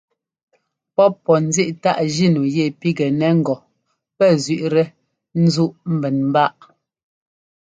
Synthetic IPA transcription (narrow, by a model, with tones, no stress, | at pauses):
pɔ˦pːɔ˨n̩˦zi˦ʔta˦˨ʔʒi˦˨nu˨jɛ˦˨pi˦ɡɛ˨nɛ˦ŋ̩˦˨ɡɔ˨ | pɛ˦zɥi˨ʔɾɛ˦ | n̩˦zu˦ʔm̩˦bɛ˨nm̩˦ba˦˨ʔ